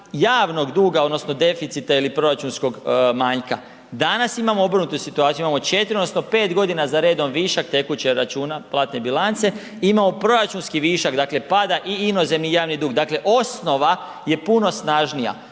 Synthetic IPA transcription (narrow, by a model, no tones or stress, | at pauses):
jaːʋno̞ɡd̪uːɡao̞d̪no̞sno̞d̪e̞fit̪sit̪ailipɾo̞ɾat͡ʃunsko̞ɡmaːɲka | d̪anasimamoobr̩nut̪usit̪uaːt̪juimamo̞t͡ʃe̞t̪iɾiodnosno̞pe̞ːt̪ɡo̞d̪inazaɾeːd̪o̞mʋiːʃak̚t̪e̞kut͡ɕeɾat͡ʃuːnaplˠaːt̪ne̞bilˠant̪se̞ | imamo̞pɾo̞ɾat͡ʃunskiʋiːʃakd̪aːkle̞pad̪aʔiino̞ze̞mnijaːʋnid̪uːɡd̪akleʔo̞sno̞ʋa | je̞puno̞snaːʒnija̰